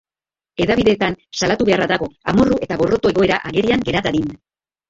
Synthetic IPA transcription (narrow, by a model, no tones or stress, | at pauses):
e̞ðaβiðe̞ːt̪ansalat̪uβe̞araðaɣo̞amo̞ruʔe̞t̪aβo̞ro̞t̪o̞e̞ɣo̞e̞ɾaʔaɣe̞ɾiaŋɡe̞ɾat̪aðin